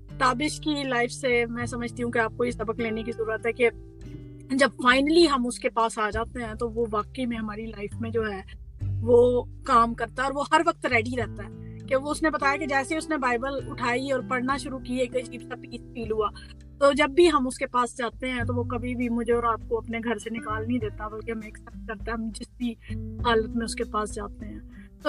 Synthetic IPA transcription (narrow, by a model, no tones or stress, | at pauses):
t̪aːbɪʃkilaːɪfʰsemɛ̃ːsɐməd͡ʒʱt̪iɦũkeaːp̚koisɐbəkleːnekizɐɾuːɾət̪ɦɛke | d͡ʒɐbfaːɪnəliɦɐmʊskepaːsaːd͡ʒaːt̪eɦɛ̃t̪oʋoʋaːkəimẽɦɐmaːɾilaːɪfmẽd͡ʒoːɦɛːʋoːkaːmkɐɾt̪aɦɛɔːɾʋohɐɾʋɐk̚t̪ɾɛːɖiɾɛɦt̪aɦɛːkeʋoʊsnebɐt̪aːjaked͡ʒɛːseʊsnebaːɪbəlʊʈʰaːiɔːɾpɐɽnaʃʊɾukieːkat͡ʃiːbsapiːsfiːlɦuaː | t̪oːd͡ʒɐbːiɦɐmʊskepaːsd͡ʒaːt̪eɦɛ̃t̪oʋokɐbʱibʱimʊd͡ʒʱeɔːɾaːp̚koɐpneɡʱɐɾsenɪkaːlnɐɦĩd̪eːt̪abɐlkeɦɐmeːksɛp̚t̪̚kɐɾt̪aɦɛɦɐmd͡ʒɪsbʱiɦaːlət̪mẽʊskepaːsd͡ʒaːt̪eɦɛ̃ːt̪o